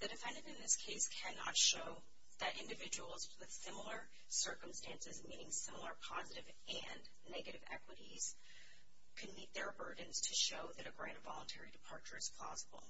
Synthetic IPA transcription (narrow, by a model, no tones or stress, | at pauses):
ðɨdɨfɛ̃ndɨ̃ntɨ̃nðɪskʰeɪskʰænɑ̰tʃoʊ | ðɨɾʔɪ̃ndɨvɪd͡ʒəwl̩ˠzwɨð̥sɪ̃ml̩ˠə˞ | sɜ˞km̩stæ̃nsɨzmĩnɪ̃ŋsɪ̃ml̩ˠə˞pʰɑzɨɾɨv | ʔɨ̃nː | ɛɡɨɾɨvɛ̰kwəɾiz̥ | kʰɨd̚mit̪̚ðə˞bɜ˞dⁿn̩z̥tʰɨʃoʊðɨɾɨɡɹãɪ̃nəvɑ̰lˠə̃ntʰɛɹidɨpʰɑɹt͡ʃə˞ɨz̥pʰl̥ɑ̰zəbl̩ˠ